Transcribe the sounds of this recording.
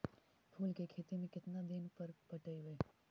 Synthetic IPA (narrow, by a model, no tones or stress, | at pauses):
pʰuːlkekʰeːt̪imẽkɪt̪nad̪ɪnpɐɾpɐʈəiʋeː